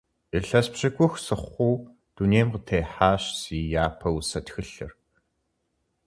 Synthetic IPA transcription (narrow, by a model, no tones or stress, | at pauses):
iɬɐspɕɪɡʷʼʊxsɨχʷuː | d̥uneːmqətʰeːħaːɕsiːjaːpʰɐwsɐtxɨɬɨ̰r